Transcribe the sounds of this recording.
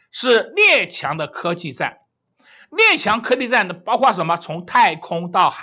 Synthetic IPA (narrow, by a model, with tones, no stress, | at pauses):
ʂɻ̩˥˧ljɛ˥˩t͡ɕʰjɑ˧˥ŋd̪ə˧kʰɤ˥t͡ɕi˥˧t͡sa̰˥˩n | ljɛ˥˩t͡ɕʰjɑ˧˥ŋkʰɤ˥t̪i˥˧t͡sa˥˩nd̪ə˩pɑ˥ʊxwa˥˩ʂ̬ə˧˥nmə˧t͡sʰʊ˧˥ŋt̪ʰa˥˩ɪkʰʊ˥ŋt̪ɑ˥˩ʊx